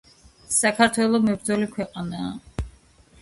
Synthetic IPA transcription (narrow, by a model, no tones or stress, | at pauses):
sakʰaɾt̪ʰwɛlˠɔmɛbɾd̪zɔlikʰwɛqʼanaː